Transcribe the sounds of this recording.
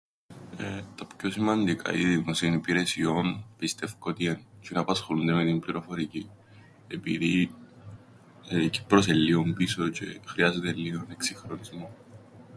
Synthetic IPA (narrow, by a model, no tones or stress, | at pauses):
t̪ɐpço̞simɐnd̪ikʰɐ̰iðimosionipiɾe̞sio̞npist̪e̞fkot̪iencenɐpɐsxolund̪eme̞t̪imbliɾo̞fo̞ɾici | epḭði | ci̥pɾoselːiumbiso̞ce̞xɾiɐzet̪elːione̞ksixɾonizmo̞